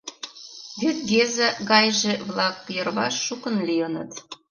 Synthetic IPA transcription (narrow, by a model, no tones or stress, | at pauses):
βyt̪̚ɡezəɣɑjʒĕβlˠɑkːjərβɑ̰ʃːukənlʲijənə̰t̪